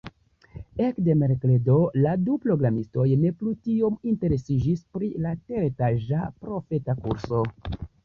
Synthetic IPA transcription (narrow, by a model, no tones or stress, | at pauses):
e̞kde̞meɾkledo̞ladupɾo̞ɡɾamisto̞jne̞plutio̞minte̞ɾe̞sid͡ʒispɾilate̞ɾetaʒapɾo̞fe̞takṵɾso̞